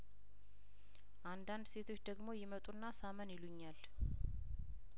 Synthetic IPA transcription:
ʔand̪and̪se̞t̪ʰo̞t͡ʃːd̪əɡmo̞jɪmət̪ʼunːasamənjɪluɲːal

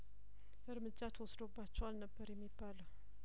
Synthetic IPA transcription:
ɨɾmɨd͡ʒːat̪ʰəwɔsd̪obːat͡ʃːɛwalnəbːəɾjɛmːibːaləw

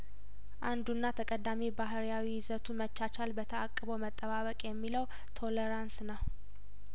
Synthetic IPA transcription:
ʔand̪unːat̪ʰəkʼəd̪amibaɦɾjawiɪzət̪ʰumət͡ʃːat͡ʃalbət̪ʰəakʼːəβəwmət̪ʼːəβaβəkʼjɛmːiləw | t̪ʰo̞ləɾansnaw

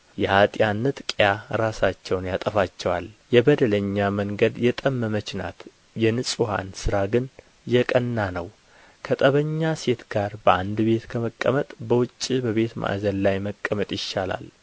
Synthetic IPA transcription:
jɛhat̪ʼjanːɨt̪ʼkʼjaɾasat͡ʃːɛwnjat̪ʼəfat͡ʃːɛwaljɛbəd̪ələɲːaməŋɡəd̪jɛt̪ʼəmːəmət͡ʃna̰t̪ | jɛnɨsʼuha̰nsɨɾaɡɨn | jɛkʼənːanəw | kʰət̪ʼəβəɲːase̞t̪ɡaɾbəʔand̪be̞t̪kʰəməkʼːəmət̪ʼbəwʊt͡ʃʼːibəβe̞t̪mʔa̰ʔzənlajməkʼːəmət̪ʼjɪʃːala̰l

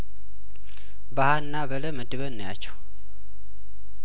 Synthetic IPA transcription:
bahanːabələməd̪ɨβənːəjat͡ʃːɛw

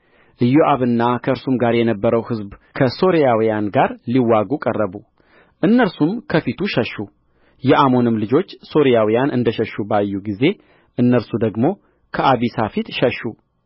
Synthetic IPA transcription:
ʔɨjoʔaβɨnːakʰəʔɨɾsumɡaɾjɛnəbːəɾəwhɨzbkʰəso̞ɾijawijanɡaɾliwaɡukʼərːəβu | ʔɨnːəɾsumkʰəfit̪ʰuʃəʃːu | jɛʔamo̞nɨmlɨd͡ʒo̞t͡ʃːso̞ɾijawijanʔɨnd̪əʃəʃːubajːuɡize̞ | ʔɨnːəɾsud̪əɡmo̞ | kʰəʔaβisafit̪ʃəʃːu

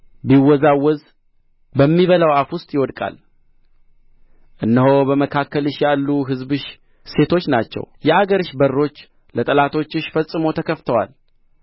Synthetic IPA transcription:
biwːɔzawːɔz | bəmːiβəlawafwʊst̪ʼjɪwɔd̪kʼa̰l | ʔɨnːəhobəməkʰakːəlɨʃjalːuɦɨzbɨʃ | se̞t̪ʰo̞t͡ʃːnat͡ʃːɛ̰wjɛhaɡəɾɨʃbərːo̞t͡ʃː | lət̪ʼəlat̪ʰo̞t͡ʃːɨʃfəsʼːɨmo̞t̪ʰəkʰəft̪ʰəwa̰l

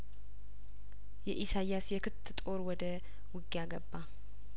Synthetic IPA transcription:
jɛʔisajasjɛkʰɨt̪ʰːɨt̪ʼo̞ɾwɔd̪ə | wɨɡːijaɡəbːa

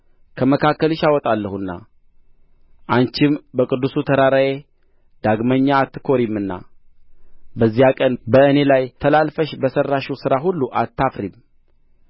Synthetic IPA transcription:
kʰəməkʰakːəlɪʃawɔt̪ʼalːəhunːa̰ | ʔaɲt͡ʃɪmbəkʼɨd̪ːusut̪ʰəɾaɾaje̞ | d̪aɡməɲːaːt̪ʰːɨ̥kʰo̞ɾimɨnːa̰ | bəzːijakʼənbəɨne̞lajt̪ʰəlalfəʃbəsərːaʃusɨɾaɦulːuʔat̪ʰːafɾim

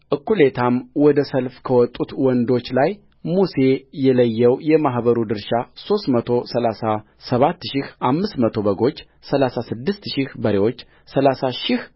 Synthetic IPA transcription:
ʔɨkːulet̪ʰamwɔd̪əsəlfkʰəwɔt̪ʼːut̪wɔnd̪o̞t͡ʃːlaj | muse̞jɛləjːɛwjɛmaɦbəɾud̪ɨɾʃaso̞st̪mət̪ʰo̞səlasa | səβat̪ːʃɪhʔamːɨst̪mət̪ʰo̞bəɡo̞t͡ʃː | səlasasɨd̪ːɨst̪ʃɪhbəɾewo̞t͡ʃː | səlasaʃɪh

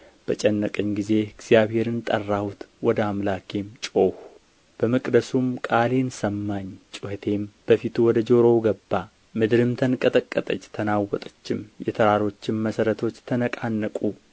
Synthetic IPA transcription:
b̥ət͡ʃʼɛnːəkʼɨɲɡize̞ɨɡz̥ijaβhe̞ɾɨnt̪ʼərːahut̪wɔd̪əamlakʰe̞mt͡ʃʼo̞h | b̥əməkʼd̪əsumkʼale̞nsəmːaɲt͡ʃʼʊhət̪ʰe̞mb̥əfit̪ʰuwɔd̪əd͡ʒoɾo̞wɡəbːa | mɨd̪ɨɾɨmt̪ʰənkʼət̪ʼəkʼːət̪ʼət͡ʃːt̪ʰənawːɔt̪ʼə̥t͡ʃːɪmjɛt̪ʰəɾaɾo̞t͡ʃːɪmməsəɾət̪ʰo̞t͡ʃːt̪ʰənəkʼanːəkʼu

